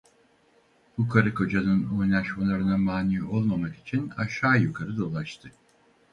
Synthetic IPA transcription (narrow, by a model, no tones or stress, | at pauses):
bukʰaɾɯkʰo̞d͡ʒanɯno̞jlˠaʃmalˠaɾɯnamaːniːo̞lˠmamaki̥t͡ʃʰina̰ʃaːjukʰaɾɯd̪o̞lˠaʃt̪ʰɯ